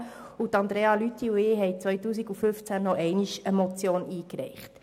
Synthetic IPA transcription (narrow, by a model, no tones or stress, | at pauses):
utɑnd̥̪ɾeːɑlytʰːiuɪːɦɛɪt͡sʋœjtuːs̬iɡuføft͡sænːɔʔɛɪniʃəmɔt͡sjoːniːkɾɛ̰ɪχt